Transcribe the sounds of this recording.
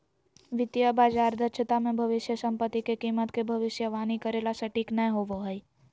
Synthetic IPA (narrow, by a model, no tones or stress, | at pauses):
ʋɪt̪jəbaːd͡ʒaːɾd̪ət͡ʃʰət̪amẽbʱɐʋɪʃjəsɐ̃mpət̪ːikekiːmət̪kebʱɐʋɪsjəʋaːnikəɾeːlasɐʈiːknəjɦoʋoɦəi